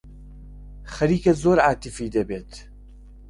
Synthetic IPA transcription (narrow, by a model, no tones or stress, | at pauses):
xɐɾiːkɛzoːɾaːt̪ifiːd̪ɛbeːt̪